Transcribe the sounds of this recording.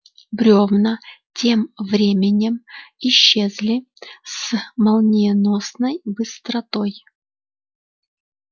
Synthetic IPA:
bɾʲovnətʲe̞mvɾʲemʲɪnʲɪmɪɕːezʲlʲɪ | smɐlˠnʲɪnosnəjbɨst̪ɾɐt̪oj

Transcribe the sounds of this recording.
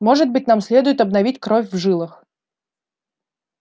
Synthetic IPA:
mɔʐɨt̪̚bɨtʲn̪amsʲlʲeɛd̪ʊjɪt̪ɐbnavʲitʲkɾɔfʲvʐɨlˠɨx

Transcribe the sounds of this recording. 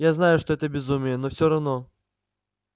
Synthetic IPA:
jaznajʊʂt̪oɛt̪əbʲɪzumʲɪjənofsʲoɾɐvno

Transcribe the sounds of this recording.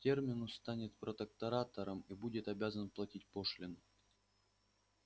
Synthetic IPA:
tʲe̞rmʲɪnʊst̪anʲɪt̪pɾət̪ək̚t̪ɐɾat̪əɾəmibudʲɪt̪ɐbʲazənplˠɐtʲitʲpo̞ʂlʲɪnʊ

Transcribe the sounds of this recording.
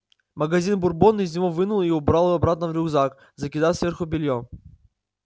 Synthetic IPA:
məɡɐzʲinbʊrbonːɨɪzʲnʲɪvovɨnʊlˠiʊbɾalˠvɐbɾat̪̚nəvɾʲʊɡzak | zəkʲɪd̪afsvʲerxʊbʲɪlʲjo

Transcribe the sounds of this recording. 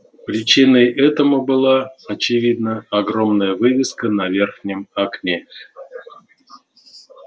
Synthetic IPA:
pɾʲɪt͡ɕinəjɛt̪əmubɨlˠaɐt͡ɕɪvʲid̪̚nəɐɡromnəjəvɨvʲɪskənavʲerxnʲɪmaknʲe

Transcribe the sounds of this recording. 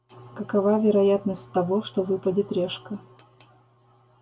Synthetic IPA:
kəkɐvavʲɪɾɐjat̪nəsʲtʲt̪ɐvoʂt̪ovɨpədʲɪt̪ɾʲeʂkə

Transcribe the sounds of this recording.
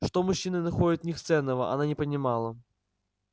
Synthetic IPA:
ʂt̪omʊɕːinɨnɐxodʲɪt̪nʲɪxst̪sɛnːəvəʔɐ̰nanʲɪpənʲɪmalˠə

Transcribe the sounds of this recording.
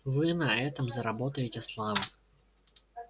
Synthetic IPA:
vɨnɐɛt̪ɐmzɐɾabɔt̪ɐjetʲɛslˠavɐ

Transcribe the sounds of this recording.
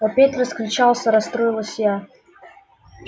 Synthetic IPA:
ɐpʲet̪ʲrəskɾʲɪt͡ɕalˠsʲəɾɐst̪ɾojɪlˠəsʲja

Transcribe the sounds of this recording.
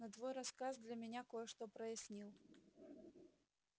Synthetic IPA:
nɐd̪vɔjɾaskazd̪lʲɐmʲɪnʲakojəʂt̪opɾəjɪsʲnʲilˠ

